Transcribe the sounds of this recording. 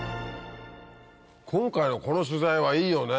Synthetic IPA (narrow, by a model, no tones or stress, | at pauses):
kʰõ̞ŋkaino̞ko̞no̞ɕ̬ɨzaiβaiːjo̞ːne